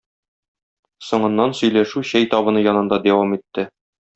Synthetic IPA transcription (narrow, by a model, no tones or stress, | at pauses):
sŏɴɤ̆nːɑnsɵ̆jlæʃʉɕæjt̪ɒbɤ̆nɤjɒnɤ̆nd̪ɑd̪æwɑmit̪ːɘ